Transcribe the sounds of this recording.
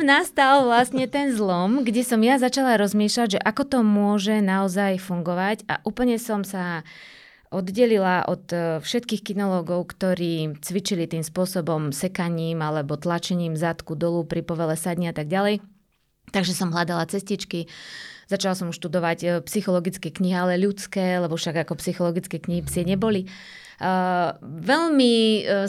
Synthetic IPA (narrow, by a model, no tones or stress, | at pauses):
nast̪alˠʋlasɲɛt̪ɛnzlɔmɡɟɛsɔmjazat͡ʃalaɾɔzmiːʃlaɟʒɛʔakɔt̪ɔmʊɔʒɛnaɔzajfuŋɡɔʋaca̰ʔuːpl̩ɲɛsɔmsa | ʔɔd̪ɟɛlilaʔɔt̪fʃɛt̪kiːxkinɔlɔːɡɔʊkt̪ɔɾiːt͡sʋit͡ʃilit̪iːmspʊɔsɔbɔmsɛkaɲiːmalɛbɔt̪lat͡ʃɛɲiːmzat̪kud̪ɔlupɾipɔʋɛlɛsadɲiat̪aɡɟalɛj | t̪aɡʒɛsɔmɦlad̪alat͡sɛscit͡ʃkiz̥at͡ʃalasɔmʃt̪ud̪ɔʋacpsixɔlɔɡit͡skɛːkɲiɦialɛʎut͡skɛːlɛbɔfʃaɡakɔpsixɔlɔɡit͡skɛːkɲiɦipsɪɛɲɛbɔli | ʋɛʎmi